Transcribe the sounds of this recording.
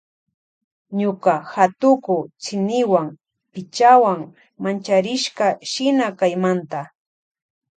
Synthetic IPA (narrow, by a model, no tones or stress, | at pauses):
ɲokahat̪ʊkʊt͡ʃɪnɪwaŋ | pɪt͡ʃawaŋ | mant͡ʃaɾɪʃkaʃɪnakajmant̪a